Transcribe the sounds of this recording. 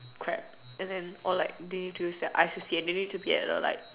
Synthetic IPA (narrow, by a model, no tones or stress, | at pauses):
kʰɹɛ̰p̚ | ʔɛ̃ndɛ̃nʔɔlaɪk̚denid̚tujusdɛtʔa̰ɪsisiɛ̃ndenid̚tubiɛ̰ɛ̰tɔ̰la̰ɪk̚